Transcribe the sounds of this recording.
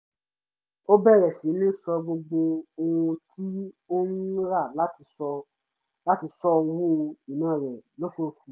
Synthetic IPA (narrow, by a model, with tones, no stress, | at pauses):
o˦bɛ˦˨ɾɛ˨sĩ˨˦nĩ˦sɔ˧ɡ͡bo˧ɡ͡bo˧o˧wũ˧tʰi˦o˦nũ˦ɾa˦˨la˨˦ti˧ɔ˧ | la˦ti˧sɔ˧wo˦˧i˨nãː˦˨ɾɛ˨lo˦fo˦˨fi˧˦